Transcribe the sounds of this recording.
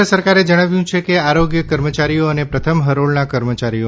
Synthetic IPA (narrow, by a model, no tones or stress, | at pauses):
əsəɾkaɾed͡ʒəɽ̃aʋjũt͡ʃʰekeaɾoɡjəkəɾmət͡ʃaɾijoənepɾət̪ʰəmɦəɾoɭnakəɾmət͡ʃaɾio